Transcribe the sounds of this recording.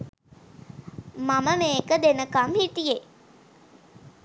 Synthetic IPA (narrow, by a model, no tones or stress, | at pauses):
maməmeːkəd̪enəkamhit̪ije